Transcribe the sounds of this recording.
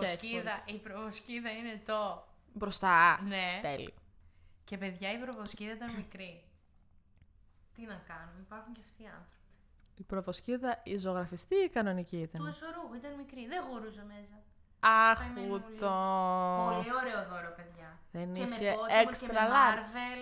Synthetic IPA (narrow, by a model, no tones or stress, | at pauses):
eiðɐipɾovosciðɐine̞t̪obɾost̪ɐnet̪e̞lḭoce̞pe̞ðʝɐipɾovosciðɐit̪ɐnmikɾi | t̪inɐkɐnunipɐɾxuɲceɐft̪iɐnθɾopi̥ | ipɾovo̞sciðɐizoɣɾɐfist̪iːkɐno̞niciit̪ɐnesoɾuɣoit̪ɐnmikɾiðexo̞ɾuzeme̞sɐ | ɐxut̪ooioɾeoðoɾeopeðʝɐðeniçeoekst̪ɾɐðɐɾve